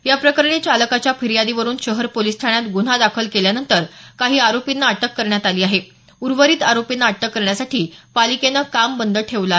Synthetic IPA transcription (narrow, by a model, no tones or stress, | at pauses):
japɾəkəɾɳet͡ɕaləkat͡ɕjafiɾijad̪iʋəɾuːnɕəɦəɾpolist̪ʰaɽ̃jat̪ɡun̤ad̪akʰəlkeljanənt̪əɾkaɦiːaɾopinːaːʈəkːəɾɳjat̪aliːaɦe | uɾʋəɾiːt̪aɾopinːaːʈəkːəɾɳjasaʈiːpalikenəkambənd̪əʈʰeʋla